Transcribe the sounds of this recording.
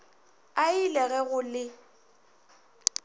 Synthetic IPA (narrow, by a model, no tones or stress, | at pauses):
ailɛɣɛɣʊlɪ